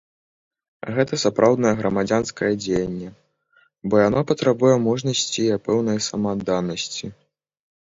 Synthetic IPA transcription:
ɣɛt̪ɐsapɾʔawd̪nɐjɛɣɾɐmad͡zʲanskɐjɐd͡zʲejɐnʲːɛ | bɔjanɔpɐt̪ɾabujɛmɔʐnɐsʲt͡sʲiapɛwnɐjsɐmad̪ːanɐsʲt͡sʲi

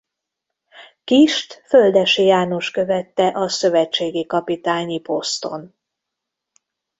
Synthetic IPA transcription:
kiʃt̪fø̞ld̪ɛʃjaːno̞ʃkø̞vɛt̪ːɛʔɒsø̞vɛt͡ʃːeːɡikɒpit̪aːɲipo̞st̪o̞̰n

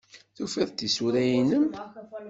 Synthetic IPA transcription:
θufiðˤt̪isuɾæjinəm

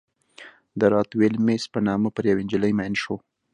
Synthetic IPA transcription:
d̪əɾɑt̪welmespənɑməpəɾjawɪnd͡ʒɪləjmajnʃo

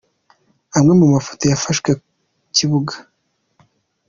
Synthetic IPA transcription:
amŋe̞mumafo̥tojafaʃɡwe | ciβuɡḁ

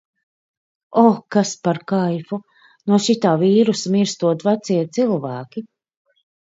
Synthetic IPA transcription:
ɔːkaspaɾkajfu | nuɔʃit̪aːviːɾusmiɾst̪uɔt̪vat̪siɛt̪silˠvæːkʲi

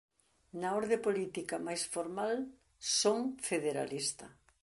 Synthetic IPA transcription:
nɐoɾðepolit̪ikɐmajsfoɾmal | soŋfeðeɾa̰list̪ɐ

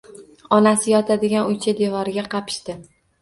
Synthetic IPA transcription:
ɒnasɪjɒt̪ʰad̪ɪɡʲanʊjt͡ʃʰad̪e̞vɒɾɪɡʲaqʰɑpʰɪ̥ʃt̪ɪ

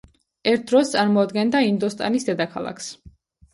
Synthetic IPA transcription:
ɛɾt̪̚ʰd̪ɾɔst̪sʼaɾmɔːd̪ɡɛnd̪aind̪ɔst̪ʼa̰nisd̪ɛd̪akʰa̰lˠa̰kʰs

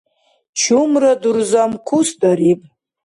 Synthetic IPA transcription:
t͡ʃʰumradurzamkʷʰusdaɾipʼ

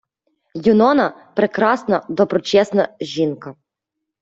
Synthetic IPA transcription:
jʊnɔnɐpɾekɾɑsnɐd̪ɔbɾɔt͡ʃɛsnɐʒʲinkɐ

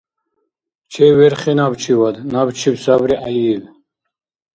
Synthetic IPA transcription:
t͡ʃʰɛvɛɾχɛnabt͡ʃʰiwad̪nabt͡ʃʰibsabɾiʔajiv

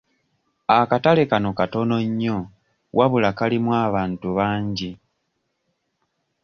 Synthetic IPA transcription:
akatale̞kano̞kato̞no̞ɲːo̞ | wʔaβulakalimwaːβaːntuβaːɲɟi

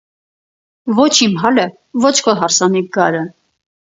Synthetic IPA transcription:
vɔt͡ʃʰimɦɑlə | vɔt͡ʃʰkʰɔɦɑɾsɑniɡɑɾə

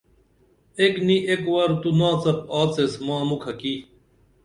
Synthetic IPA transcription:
ekniʔekwɐɾt̪unãːt͡sɐpaːt͡sesmãːmukʰɐki

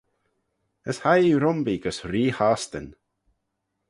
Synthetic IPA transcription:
əshajiɾʊmbiɡəsɾiːhaːst̪ə̰n

